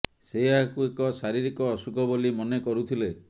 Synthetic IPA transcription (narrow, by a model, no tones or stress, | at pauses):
seakuekɔsaɾiɾikɔːsukɔbolimɔnekɔɾut̪ʰile